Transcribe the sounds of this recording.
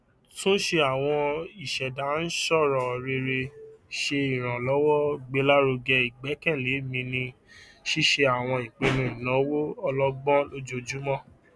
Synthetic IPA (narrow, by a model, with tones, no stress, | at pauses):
tũ˦ʃe˧a˨w̃ɔ̃˧i˨ʃɛ˨da˨˦n̩˦ʃɔ˦˨ɾɔ̃˨ɾe˧ɾe˧ʃe˧i˨ɾ̃ã˨lɔ˦wɔ˦ɡ͡be˨˦la˦ɾo˧ɡɛ˧i˨ɡ͡bɛ˨˦kɛ̃˦˨le˨˦mĩ˧nĩ˧ | ʃi˦ʃe˧a˨w̃ɔ̃˧ĩ˨k͡pe˧nũ˧˦i˨nã˨˦wo˦ɔ˧lɔ˦ɡ͡bɔ̃˦lo˦d͡ʒo˧d͡ʒu˦mɔ̃˦